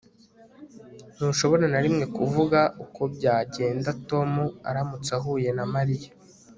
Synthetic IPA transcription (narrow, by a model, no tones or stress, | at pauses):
nuːʃo̞βo̞ɾanaɾimŋe̞kuvuɡaukʰo̞bɟaːɟe̞ːndato̞mua̰ɾamut͡saɦuːje̞namaɾija